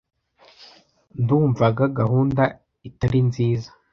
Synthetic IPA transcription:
nduːɱvaɡaɡahuːnda | itaɾinziːzḁ

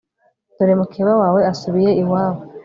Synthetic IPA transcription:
tuɾemukʰiβawaːwe̞asuβije̞iwaːwo

